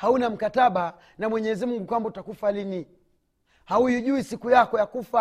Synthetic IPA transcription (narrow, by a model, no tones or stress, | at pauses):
haunam̩kataɓa | namwɛɲɛzimuŋɡukwambɔtakufalini | haujuʄuisikujakɔjakufa